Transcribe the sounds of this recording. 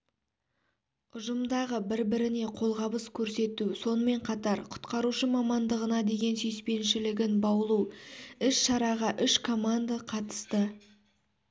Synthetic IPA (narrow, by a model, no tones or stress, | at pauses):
ʊʒəmd̪ɑʁəbɪɾbɪɾɪne̞qʰo̞lˠʁɑbəskʲʰɵɾse̞t̪uso̞nəme̞ɴqʰɑt̪ɑɾqʰʊ̥t̪qɑɾuʃəmɑmɑnd̪əʁənɑd̪e̞ɡʲe̞nsʏjspe̞nʃɪlɪɡʲɪnbɑwəlˠuɪʃʃɑɾɑʁɑʔʏʃkʰo̞mand̪aqʰɑt̪ə̥st̪ə